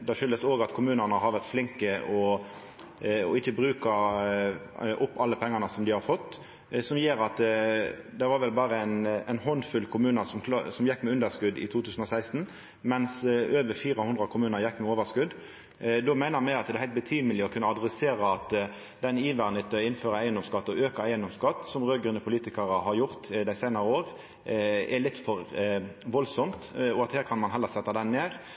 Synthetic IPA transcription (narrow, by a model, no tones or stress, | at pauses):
d̪ɛʃʏld̪əsoːɡɑt̪kʰʊmʉːnənəɦɑɾʋæʁt̪flɪŋkəʔɔ | ɔ̰ɪçːəbɾʉːkə | ʔʊpːɑlːəpʰɛŋːɑnəsɔmd̪ɪhɑɾfɔt̪ː | sɔmjeːɾɑt̪ | d̪ɛʋɑːɾʋɛlbɑːʁəæɪnɛɪnhɔnfʉlkʰʊmʉːnəsɔmsɔmjɛkːmɛʉnd̪əɾskʉd̪ɪ̰t̪ʰuːt̪ʰʉːsən̩ɔsæɪst̪n | mɛnsøːʋəfiːʁəhʉnd̪ʁɾɑkʰʊmʉːnəɾjɛkːmɛoːʋəskʉd̪ | d̪oːmæɪnəmæɪɑt̪d̪ɛhæɪlt̪̚bət̪ʰiːməlɪɔkʰʉnːəɑd̪ʁɛseːʁəɑt̪ | d̪ɛniːʋæʁnɪt̪əɪnːføːɾəæɪənd̪ɔmskɑt̪ːɔøːkəɾæɪənd̪ɔmskɑt̪ːsɔmʁøːɡɾʉːnəpʰʊliːt̪ɪkɑʁəɦɑɾjʊʁt̪d̪æɪsæɪnɑʁəoːʁ | ɛlɪt̪ːfɔɾʋɔlsɔmt̪ɔɑt̪hæːɾkʰɑnmɑnɦɛlːəɾsɛt̪ːɑd̪ɛnːeːʁ